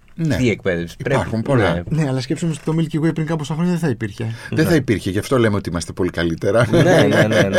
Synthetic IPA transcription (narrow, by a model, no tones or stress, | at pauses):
nḛt̪iek̚peðefsipɾaɾxumpo̞lane̞ɐlɐs̬cepsomeost̪i̥t̪o̞milciɣoejpɾiŋkɐposɐxɾoɲɐðeθɐipiɾçe̞ðeθɐipiɾçeʝɐft̪o̞le̞meo̞t̪iimɐst̪e̞po̞likɐlit̪e̞ɾɐnen